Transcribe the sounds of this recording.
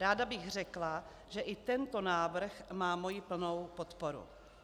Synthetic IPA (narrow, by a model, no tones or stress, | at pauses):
ɾaːdabɪxr̝ɛkla | ʒɛʔɪt̪ɛnt̪o̞naːvr̩xmaːmo̞jɪpl̩no̞wpo̞t̪po̞ɾṵ